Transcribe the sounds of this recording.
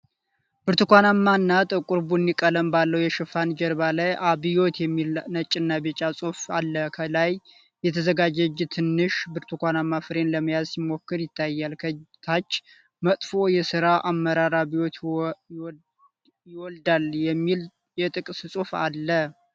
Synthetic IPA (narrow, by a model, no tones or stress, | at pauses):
b̥ɨɾt̪ʰɨkʷanamːaɨnːat̪ʼɨkʼuɾbunːikʼələmbalːəwjɛʃɨfand͡ʒɛɾbalajʔaβijo̞t̪jɛmːilnət͡ʃʼɨnːabet͡ʃʼasʼufa̰lːəkʰəlaj | jɛt̪ʰəzəɡad͡ʒɛd͡ʒt̪ʰɨnːɨʃbɨɾt̪ʰukʷanamːafɨɾe̞nləməjazsɪmːo̞kːɨɾjɪt̪ʰːajːalkʰət̪ʰat͡ʃː | mət̪ʼfo̞jɛsɨɾaʔamːəɾaɾaβijo̞t̪ | jɪwɔld̪aljɛmːil | jɛt̪ʼɨkʼsɨsʼufa̰lːə